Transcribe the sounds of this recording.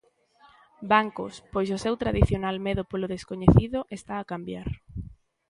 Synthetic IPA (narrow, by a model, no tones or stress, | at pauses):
baŋkʊspojsʊsewt̪ɾaðiθjonalmeðʊpolʊðeskoɲeθiðʊʔest̪aːkambjaɾ